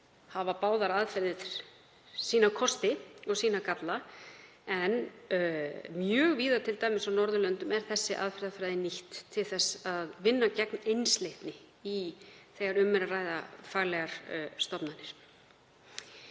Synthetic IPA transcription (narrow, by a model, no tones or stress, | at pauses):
havapaːwðaɾaðfɛɾðɪθ | siːnakʰɔst̪ɪɔɣsiːnakat̪la | ɛn | mjœːɣviːðat̪ʰɪlt̪aːjmɪsawnɔɾðʏlœnt̪ʏmɛɾ̥θɛsːɪʔa̰ðfɛɾðafɾajðɪniht̪ʰːɪlθɛsːaðvɪnːacɛknejnslejht̪nɪ | iθɛɣaɾʏmːɛɾaraːjðafaːɣlɛɣaɾ̥st̪ɔpnanːɪɾ̥